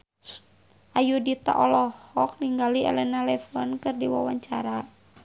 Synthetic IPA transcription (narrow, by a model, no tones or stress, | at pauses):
ajudit̪a̰ʔɔlɔhɔk̚niŋɡaliɛ̰lɛnalɛfɔnkɨrdiwa̰waɲt͡ʃaɾa